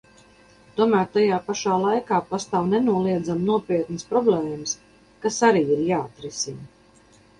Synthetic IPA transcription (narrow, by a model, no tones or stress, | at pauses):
t̪uɔmæːɾt̪ajaːpaʃaːlˠajkaːpast̪awnɛnuɔlˠiɛd̪zamnuɔpiɛt̪nəspɾɔblɛːms | kasaɾiːiɾjaːat̪ɾɛsin